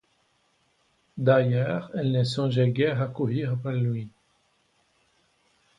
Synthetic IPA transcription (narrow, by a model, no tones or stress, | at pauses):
d̪ajœːʁɛlnesɔ̃ʒeɡɛʁakuʁiʁpalɥi